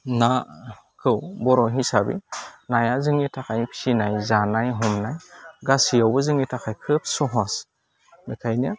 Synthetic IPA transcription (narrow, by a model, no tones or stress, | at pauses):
na | kʰɯwbɔɾɔɦisabḭnajazɯŋitʰakʰajpʰi̥sinajzanajɦɔmnajɡasiawbɯzɯŋitʰakʰajkʰɯp̚sɔɦɔs | mikʰajnija